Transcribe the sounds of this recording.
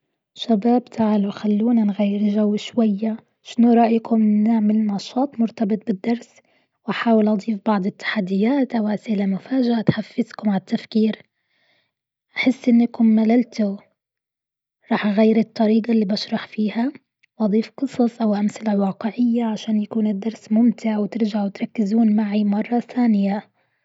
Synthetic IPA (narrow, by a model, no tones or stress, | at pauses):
ʃabaːbt̪ʰaʕlʊxalːuːnanɣajːɪɾʒawːʃwajːa | ʃɪnuɾˤɑːʔjkʰʊmnɪʕmɪlnɑʃɑːt̪ˤmʊɾt̪ɑbɨt̪ˤbɪd̪ːɑɾˤs | wʔaħaːwɪlʔɑd̪ˤiːfbɑʕd̪ˤɪt̪ːḁħad̪ːɪjːaːt̪ʔawʔaslamʊfaːʒaʔat̪ħafːɪzkʊmʕalt̪ːafkiːɾ | ʔaħɪsːʔɪnːakʊmːalalt̪ʊ | ɾˤɑːħʔaɣajːɪɾɨt̪ˤːɑɾiːɡalːiːbaʃɾˤɑħfiːha | wʔɑd̪ˤiːfqɨsˤɑsˤʔawʔamsɪlawɑːqɪʕɪjːaʕaʃaːnjakuːnɪd̪ːɑɾˤsmʊmt̪ʰɪʕwt̪ɪɾd͡ʒaʕwɪt̪ɾˤɑkːɪzuːnmaʕimɑrˤːɑθaːnɪja